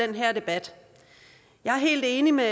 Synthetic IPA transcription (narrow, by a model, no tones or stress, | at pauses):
enɦæɐ̰d̥e̝b̥æd̥ | jɑ̈æɐɦe̝̰ːld̥e̝ːnime